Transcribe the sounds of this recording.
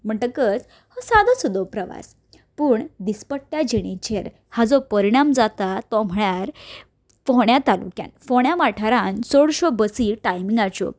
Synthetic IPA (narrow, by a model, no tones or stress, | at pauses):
m̤əɳʈ̪əkət͡s | hɔsad̪əsud̪ɔpɾəʋa̰s | puːɳd̪ispəɽʈjad͡ʑeɽ̃et͡ɕeɾ | had͡zɔpəɾiɽ̃amd͡zat̪at̪ɔm̤əɭjaɾ | pɔɦɳjat̪alṵkja̰nfoɳjamaʈʰaɾãnsoɽɕɔbəsiːʈajmĩŋɡat͡ɕo̰